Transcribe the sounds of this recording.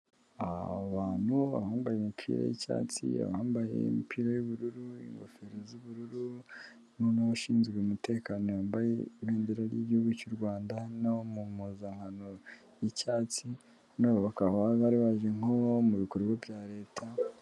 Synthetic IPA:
aoβaːn̥huβa̰haːmbajemipʰḭːɾa̰jḭca̰ːt͡sḭa̰βhaːmbajḛḭmipʰiːɾajuβuɾuɾuḭŋɡofe̞ɾezuβuɾuɾu | nonahaʃiːnzɡeumute̞ːkaːnoambajḛeːndeɾaɾjḭɟihuɡicoɾɡwaːndanaomumuzaŋhano̞ | jicaːt͡si | noːβuβakahaβaɾiβaʒeŋomuβikoɾɡavjaːɾe̞ːtʰa

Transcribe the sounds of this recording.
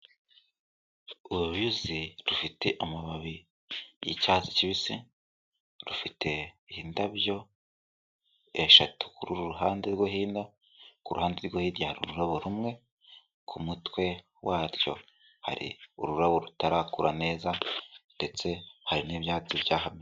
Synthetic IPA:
uβuβuziɾufite̞ʔomuβaβi | jicaːt͡si̥ciβisi | ɾufite̞hiːndaβjo̞ | eʃatu̥kuɾuɾuɾuɦaːndeɾɡohiːnda | kuɾṵhaːndeɾɡohiːɾjahaɾṵɾuɾaβoɾumŋe̞ | kʰumutwe̞ | wʔaːɾjo̞̰ | ha̰ɾḭuɾuɾaβoɾutaɾaːkuɾʔane̞ːzande̞t͡se̞haɾiniːβjaːt͡sibjaːɦame

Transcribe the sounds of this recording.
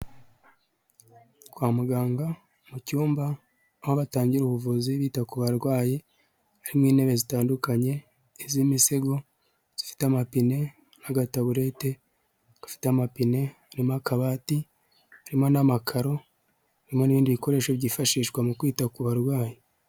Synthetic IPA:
kwaːmuɡaːŋɡa | mucuːmbaː | hoβataːɲɟiɾuβuvuziβiːtakuβaɾɡwaːje̞ | aɾimŋwiːne̞βe̞zitaːndukaɲe̞ː | zimiseɡo̞ | z̥ifi̥tamapine̞ | naɡataβuɾe̞te̞ | ɡ̥afi̥teamapine̞aɾimoakaβaːti | aɾimo̞namakʰaɾo̞ | aɾimo̞niβiːndiβiko̞ɾe̞ʃeβɟifaʃiːʃɡwamukwiːtakuβaɾɡwaːje

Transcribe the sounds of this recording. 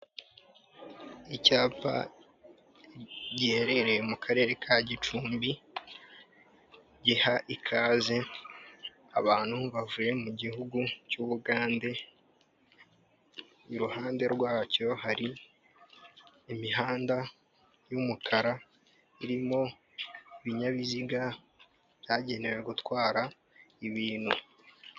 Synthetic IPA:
icaːpa̰ | ɟiheɾe̞ɾemukʰaɾe̞ɾe̞kʰaɟit͡ʃuːmbi | ɟihaʔikʰaːze̞ | a̰βaːn̥huβavuje̞muɟihuɡucuːβuɡaːnde̞ | iɾuhaːnde̞ɾɡwaːco̞haɾi | imiɦaːnda | jumukʰaɾa | iɾimo̞ | iβiɲaβiziɡa | β̥jaːɟe̞ne̞we̞ɡutwaːɾa | iβiːn̤̥u

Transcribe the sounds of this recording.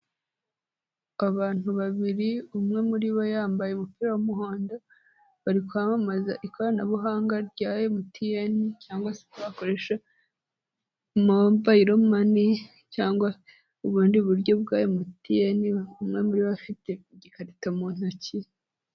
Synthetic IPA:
aβaːn̥huβaβiɾiumŋe̞muɾiβo̞jaːmbaje̞umupiɾawamuɦoːndo | βaɾikwamamazaʔikoɾanaβuɦaːŋɡaɾɟaːje̞mutʰijanicaːŋɡwaseβakoɾe̞ʃa | mobaiɾomani | caːŋɡwa | uβuːndiβuɾɟo̞b̚ɡaːjemutijaniumŋe̞muɾiβoβafite̞ɟikaɾitamuːn̥oci

